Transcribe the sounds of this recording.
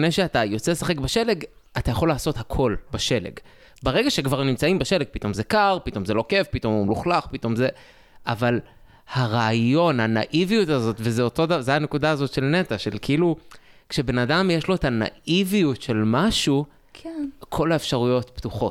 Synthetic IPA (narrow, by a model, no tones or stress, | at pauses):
nejʃeatajo̞t͡selesaχe̞kbaʃe̞le̞ɡ | atajaχo̞laːso̞thakʰo̞lbaʃe̞lḛɡ | beʁe̞ɡaʃekvaʁnimt͡saimbeʃe̞leɡ̚pit̪o̞mze̞kaʁpito̞mze̞lo̞ke̞fpito̞mumluχlaχpito̞mze̞ | ʔaval | haʁaːjo̞nhanaʔivijutazo̞tvezeotodazeane̞kudaːzo̞tʃe̞lne̞taʃe̞lkiilukʃe̞be̞nadamjeʃlo̞etana̰ʔivijutʃe̞lmaʃu | kkʰo̞laefʃaʁujo̞t̪ptuχo̞t